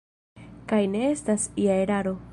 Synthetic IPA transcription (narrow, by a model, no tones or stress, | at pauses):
kajne̞estasiae̞ɾaɾo̞